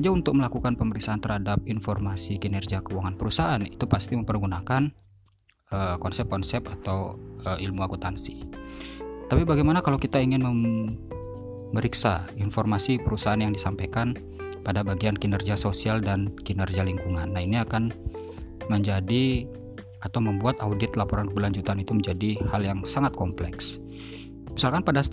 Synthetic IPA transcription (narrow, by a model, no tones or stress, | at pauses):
ad͡ʒaunt̪ʊk̚məlakukanpəməɾiksaant̪ərhadap̚infɔrmasiɡinɛrd͡ʒiakəwaŋanpəɾusaʔanit̪upast̪iməmpərɡunakan | əkɔnsɛp̚kɔnsɛpat̪awəilmuakut̪ansi | t̪apibaɡajmanakalowkit̪aiŋɪnməm | əɾiksa̰infɔrmasipəɾusaanjaŋdisampajkan | padabaɡianɡinərɡiasosialdanɡinərɡialiŋkuŋanːaɦiniakan | məɲd͡ʒadi | at̪awməmbuat̪audɪt̪lapɔɾankəbəlaɲd͡ʒut̪anit̪uməɲd͡ʒadihaljaŋsaŋat̪̚kɔmplɛ̰ks | misalkanpada